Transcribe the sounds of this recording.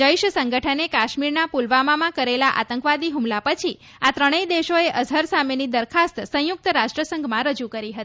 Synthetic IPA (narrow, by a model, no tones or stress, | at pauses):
d͡ʒəiʃsəŋɡəʈʰənekaʃmiɾnapulʋamamãkəɾelaʔa̰t̪əŋkʋad̪iɦumlapət͡ʃʰi | at̪ɾəɽ̃əid̪eʃoeʔəzʱəɾsamenid̪əɾkʰast̪sə̃jʊk̚t̪əɾaʃʈɾəsəŋɡʱmãɾəd͡ʒukəɾiɦət̪i